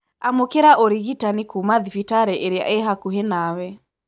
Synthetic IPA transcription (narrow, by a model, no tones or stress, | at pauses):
amokeɾaʔoɾiɣitanikumaðifitaɾɛʔeɾea̰ʔeɦakuɦenawɛ